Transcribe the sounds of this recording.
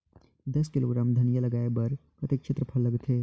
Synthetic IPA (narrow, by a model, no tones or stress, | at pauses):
d̪ɐskiloɡɾaːmd̪ʱɐnijəlɐɡaːebɐɾpɾɐt̪ikʃʰet̪ɾəpʰɐlləɡt̪ʰɦe